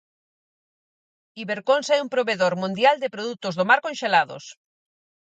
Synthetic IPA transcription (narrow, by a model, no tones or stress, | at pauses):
iβeɾkonsɛumpɾoβeðoɾmũnd̪jald̪ɪpɾoðut̪ʊzðomaɾkonʃelaðo̰s